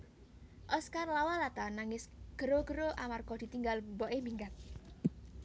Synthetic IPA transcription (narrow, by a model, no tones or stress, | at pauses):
ʔɔskarlawalat̪anaŋɪsɡ̥ə̤ɾoɡ̥əɾoʔamarkɔd̪̥i̤t̪iŋɡalmbɔʔembiŋɡat̪̚